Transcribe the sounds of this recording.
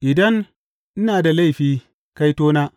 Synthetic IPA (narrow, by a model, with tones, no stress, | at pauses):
ʔɪ˨dɐ˦ŋ | ʔɪ˦naː˨da˨la˦˨jɸiː˨ | ka˦jtoː˦naː˦